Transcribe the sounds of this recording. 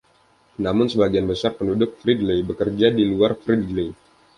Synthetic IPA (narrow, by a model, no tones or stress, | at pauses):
namʊnsəbaɡianbəsarpəndudʊk̚fɾidlebəkərd͡ʒadiluarfɾidle